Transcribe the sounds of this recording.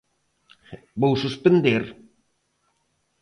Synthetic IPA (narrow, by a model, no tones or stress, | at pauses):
bowsuspend̪eɾ